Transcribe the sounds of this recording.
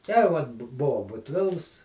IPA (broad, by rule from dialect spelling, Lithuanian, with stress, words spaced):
tʲɛ ˈʋɐt bʊ ˈbʊʋoː bʊtʲˈʋʲɪlˠs